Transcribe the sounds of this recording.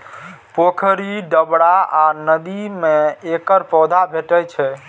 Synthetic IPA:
pokʰɾiɖəbɽaanəd̪imeekəɾpɔd̪ʱabʱeʈət͡ʃʰɛ

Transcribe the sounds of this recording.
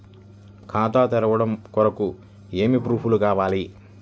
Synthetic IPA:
kʰaːt̪aːt̪ɛɾɐʋɐɽɐmkɔɾɐku | eːmipɾuːpʰulukaːʋaːli

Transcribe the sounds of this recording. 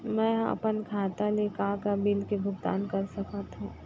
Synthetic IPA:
mɛ̃ːɐ̰pənkʰaːt̪alekãːkabɪlkebʱʊɡt̪a̰ːnkɐɾsɐkat̪ũː

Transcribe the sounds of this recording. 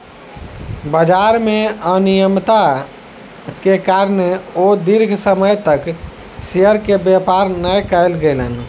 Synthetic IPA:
bəd͡ʒaɾmeənijəmt̪a | kekaɾneod̪iɾɡʱsəməjt̪ək | seəɾkebjepaɾnəjkəɪlɡelən

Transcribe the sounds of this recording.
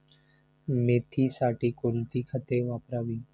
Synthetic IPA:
meːt̪ʰiːsaːʈiːkolt̪iːkʰət̪eːʋaːpɾaːʋiː

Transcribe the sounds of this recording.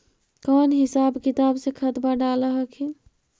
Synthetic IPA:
kɔːnɦɪsaːbkɪt̪aːbsekʰət̪baɖaːləɦəkʰi

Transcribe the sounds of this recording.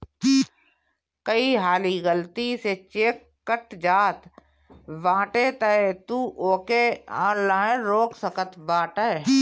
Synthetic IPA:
kəiɦaːliɡəlt̪iset͡ʃeːkːəʈd͡ʒaːt̪ | ʋãːʈet̪əet̪uːʔoːkeãːlãːẽɾoːksəkət̪ʋãːʈə

